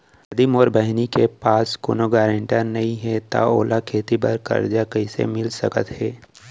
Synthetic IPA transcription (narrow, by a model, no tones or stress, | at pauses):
ɐd̪imɔːɾbəɦnikepaːsko̰ːnoɡaːɾə̃ɳʈanɐɦĩɦɛt̪a̰oːlakʰeːt̪ibəɾkɐ̰ɾd͡ʒakɐisḛmɪlsə̰kə̰t̪ɦɛː